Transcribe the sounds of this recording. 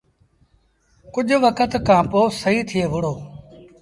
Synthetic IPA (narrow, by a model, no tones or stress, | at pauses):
kʊʄʋəkət̪kãːpoːsəɦiːt̪ʰɪeːʋʊɽ̤oː